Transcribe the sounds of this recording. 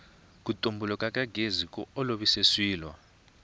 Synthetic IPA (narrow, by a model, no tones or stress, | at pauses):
k̬ʼutʼombulɔkʼakʼaɡʱezikʼɔ̰ɔloβiseswiːlwa̰